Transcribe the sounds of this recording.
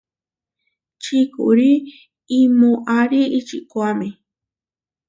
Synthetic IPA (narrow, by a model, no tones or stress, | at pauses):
t͡ʃikṵʔɾiː | mõʔaɾiːt͡ʃiʔkʷame